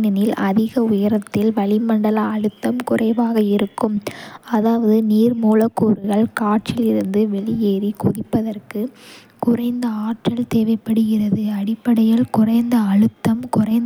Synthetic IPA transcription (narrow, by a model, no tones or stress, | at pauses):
nɐnɪlʔɐðɪɣɐʊjɐɾɐt̪ːɪlʋɐɭɪmɐɳɖɐlɐːɻɯt̪ːɐmkʊrɐɪʋaːɣɐɪɾɯkːɯmɐðaːʋɐðɯniːrmuːlɐkːuːɾɯɣɐɭkaːʈ̚t͡ʃɪlɪɾɯnd̪ɯʋɛɭɪjeːɾikʊðɪpːɐðɐrkɯ | kʊrɐɪnd̪ɐaːʈrɐlt̪eːʋɐɪpːɐɽɯɣɪrɐðɯɐɽɪpːɐɽɐjɐlkʊrɐɪnd̪ɐːɻɯt̪ːɐmkʊrɐɪn